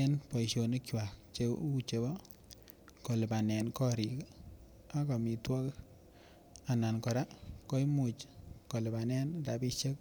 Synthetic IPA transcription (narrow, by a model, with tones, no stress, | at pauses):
e˦npɔ˨i˨ʃo˨ni˦kjwa˨k̚t͡ʃe˦u˦t͡ʃe˨bɔ˦ | ko˨lɪ˨pa˨nɛ˨nkɔ˦ɾi˨k | a˦ka˨mi˨twɔ˦k | a˨na˨nkɔ˨ɾa˦kɔ˦i˦mʊ˨t͡ʃko˨lɪ˨ba˨nɛ˦nta˨bi˦ʃe˦k